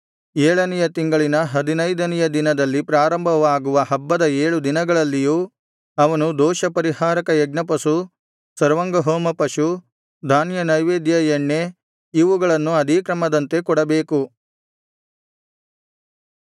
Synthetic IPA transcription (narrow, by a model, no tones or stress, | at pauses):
ɛːɭɐnɛjɐt̪iŋɡɐɭinɐɦɐd̪inɐjd̪ɐnɛjɐd̪inɐd̪ɐlːipɾaːɾɐmbʱɐʋaːɡuʋɐɦɐbːɐd̪ɐeːɭud̪inɐɡɐɭɐlːijuː | ɐʋɐnud̪ɔːʃɐpɐɾihaːɾɐkɐjɛɡnɐpɐsu | sɐɾʋɐŋɡɐɦoːmɐpɐʃu | d̪ʱaːnjɐnɐjʋeːd̪jɐjeɳːe | iʋuɡɐɭɐnːuɐd̪ʱikɾɐmɐd̪ɐnt̪e̞kɔɽɐbeːku